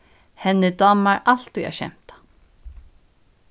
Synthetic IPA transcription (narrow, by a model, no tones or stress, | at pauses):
hɛnːɪd̪ɔːmːaɾal̥t̪uja̰ɕɛ̰m̥t̪ḁ